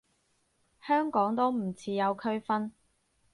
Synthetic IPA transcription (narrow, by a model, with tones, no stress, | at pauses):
hœː˥ŋkɔː˨˥ŋt̪o˥wm̩˨˩t͡sʰiː˨˧jɐ˨˧wkʰɵ˥ɥfɐ˥n